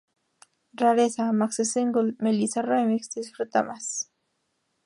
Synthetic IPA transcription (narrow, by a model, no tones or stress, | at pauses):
ɾaɾesamaksɪsɪŋɡʊlmelisaɾojmɪksd̪isfɾʊt̪a̰mas